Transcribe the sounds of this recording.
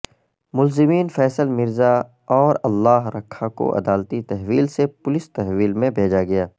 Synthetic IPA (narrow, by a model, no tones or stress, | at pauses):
mʊlzɪmiːnfɛːsəlmɪɾza | ɔːɾɐlːaːɦɾɐkʰːako̰ʔɐ̰d̪aːlt̪it̪ɛɦʋiːlsepʊlɪst̪ɛɦʋiːlmẽbʱeːd͡ʒaɡɐjaː